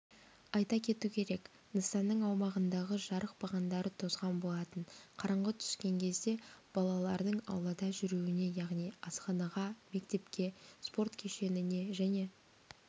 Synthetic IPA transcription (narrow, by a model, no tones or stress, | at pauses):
ɑjt̪ɑkʲʰe̞t̪ukʲʰe̞ɾe̞k | nəsɑnːəɴɑwmɑʁənd̪ɑʁəʒɑɾəq̚b̥ɑʁɑnd̪ɑɾət̪ʰo̞zʁɑnbo̞lˠɑt̪ənqʰɑɾɑɴʁət̪ʰʏ̥skʲe̞ŋkʲʰe̞zd̪e̞b̥ɑlˠɑlˠɑɾd̪əɴɑ̰wlˠɑd̪ɑʒʏɾuwɪne̞jɑʁnijɑsqɑnɑʁɑme̞kt̪e̞pkʲe̞spo̞rt̪kʲʰe̞ʃe̞nɪne̞ʒæne̞